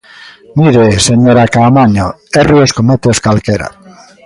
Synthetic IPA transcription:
miɾeseɲoɾakamaɲoerioskomet̪eoskalkeɾa̰

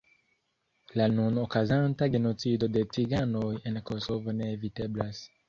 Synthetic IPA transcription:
lanunokazantaɡe̞no̞t͡sido̞de̞t͡siɡanoje̞nkosovo̞ne̞ːvite̞blas

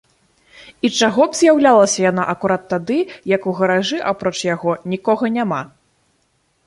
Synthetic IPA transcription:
it͡ʂaɣɔbz̥ʲjawlʲalˠɐsʲɐjan̪aʔɐkuɾat̪ːad̪ɨjɐkuɣɐɾaʐɨʔapɾɔt͡ʂjaɣɔnʲikɔɣɐnʲama

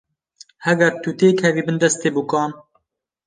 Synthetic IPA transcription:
hɛɡɛɾt̪ut̪eːkʰɛviːbɨnd̪ɛst̪eːbukɑːn

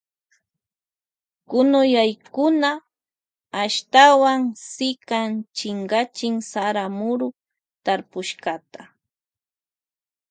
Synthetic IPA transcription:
kʊnʊjajkʊnaː | ʃt̪awaŋsɪkant͡ʃɪŋɢat͡ʃɪŋsaɾamʊɾʊ | t̪aɾpʊʃkat̪ḁ

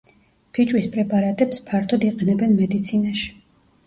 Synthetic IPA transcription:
pʰit͡ʃʼwispʼɾɛpʼaɾat̪ʼɛpspʰaɾt̪ʰɔd̪iqʼɛnɛbɛnmɛd̪it̪sʰinaʃi̥

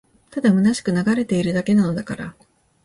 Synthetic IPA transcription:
t̪ad̪amɯ̟naɕi̥kɯ̟naɡaɾe̞t̪e̞iɾɯ̟d̪ake̞nano̞d̪akaɾa

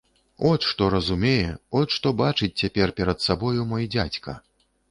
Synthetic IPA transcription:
ɔt̪ʂt̪ɔɾɐzumʲejɛɔt̪ʂt̪ɔbat͡ʂɨt͡sʲt͡sʲapʲɛrpʲɛɾɐt̪sabɔjumɔjd͡zʲat͡sʲkɐ̰

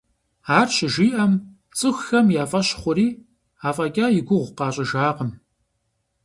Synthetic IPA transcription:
aːrɕɪʒiːʔɐm | t͡sʼɨxːɐmjaːfʼɐɕχʷʊɾiː | aːfʼɐkʲʼaːjɪɡʷʊʁʷqɑːɕʼɪʒaːqəm

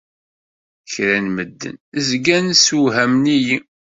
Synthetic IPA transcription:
çɾænməd̪ːə̰nəzɡænsuɦæmniji

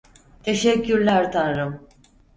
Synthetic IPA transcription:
t̪ʰe̞ʃɛcʰːyɾlʲæɾt̪ʰanɾɯm

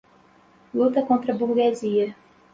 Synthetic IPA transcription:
lut̪ɐkõnt̪ɾɐbuhɡeziɐ

